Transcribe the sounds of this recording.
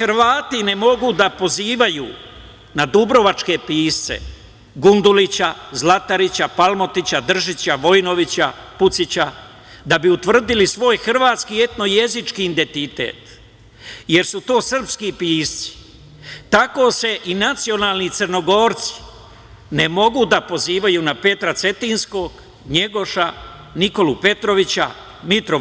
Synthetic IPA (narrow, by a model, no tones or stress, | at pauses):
ɾʋaːt̪ine̞mo̞ɡud̪apo̞ziːʋajṵː | nad̪ubɾo̞ʋat͡ʃke̞piːst̪sḛ | ɡund̪ulit͡ɕazlˠat̪aɾit͡ɕapalˠmo̞t̪it͡ɕad̪r̩ʒit͡ɕaʋo̞jno̞ʋit͡ɕaput̪sit͡ɕa | d̪abiut̪ʋr̩d̪ilisʋo̞ːjxr̩ʋaːt̪skie̞t̪no̞je̞zit͡ʃkiːnd̪e̞nt̪it̪ḛːt̪ | je̞ɾsut̪o̞ːsr̩pskipiːst̪si̥ | t̪ako̞ːse̞ʔinat̪sio̞naːlˠnit̪sərno̞ɡo̞ːɾt̪si̥ | ne̞mo̞ɡud̪apo̞ziːʋajunape̞t̪ɾat̪se̞t̪insko̞ɡ | ɲe̞ɡo̞ʃa | niko̞lupe̞t̪ɾo̞ʋit͡ɕa̰ | mit̪ɾo